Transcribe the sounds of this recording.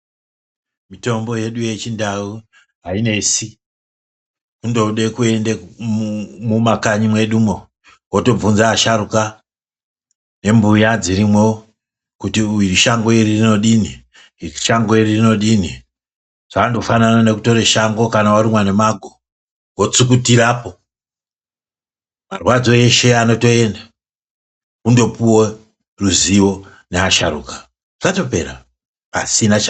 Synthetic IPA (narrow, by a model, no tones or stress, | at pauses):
mito̞mbo̞je̞ɗuje̞t͡ʃindau | ɦaine̞si | kundo̞ɗe̞kue̞nde | mumakaɲimwe̞ɗumo | woto̞b͡vunzaːʃaɾuka | ne̞mbujad͡ziɾimwo | kutiuiriʃaŋɡoiririno̞ɗini | ʃaŋɡoiririno̞ɗini | ʐ̥aːndofananane̞kuto̞ɾe̞ʃaŋɡo̞kanawaɾimwanemaɡʱo | wot͡suk̬utiɾaːpo | marwad͡zo̞e̞ʃe̞ano̞to̞e̞nda | kundo̞puwe | ruziwo̞ | neaʃa̰ɾṵːkḁ | ʐ̥ato̞pe̞̰ɾa | pa̰sinat͡ʃa